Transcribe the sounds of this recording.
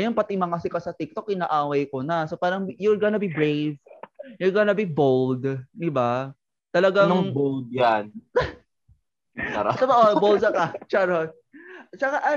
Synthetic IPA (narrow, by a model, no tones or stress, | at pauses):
jʊnpɐt̪ɪmɐŋɐsɪkɐsɐt̪ɪk̚t̪o̞k̚ʔɪnaːʔaːwɐjkonɐsopaːɾɐŋjʊlɡɐnɐbibɾejvjʊlɡɐnɐbibold̪d̪ɪba | t̪ɐlɐɡaŋbold̪̚jan | a̰ɾɐbaʔobold̪ɐkɐt͡ʃaɾo | t͡ʃɐkaʔɐ